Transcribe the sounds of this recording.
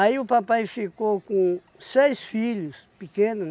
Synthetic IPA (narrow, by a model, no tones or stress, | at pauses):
aiʊpapajfikokõ | sejsfiʎʊs | pikẽnʊ